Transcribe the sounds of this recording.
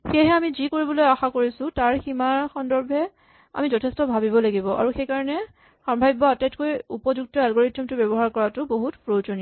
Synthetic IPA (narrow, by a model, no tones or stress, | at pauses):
xeɦɛamizikoɹibɔlojaxakoɹisʊ̃taɹximaɹxɔndɔɹbʱɛ | a̰mizɔtʰɛstɔbʱabibɔlaɡibɔʔa̰ɹuxejkaɹɔnɛ | xɔmbʱajbɔatajtkojupɔzuk̚tɔalɡoɹitːɔmtʊbjɛbɔɦaɹkɔɹatʊboɦutpɹozoni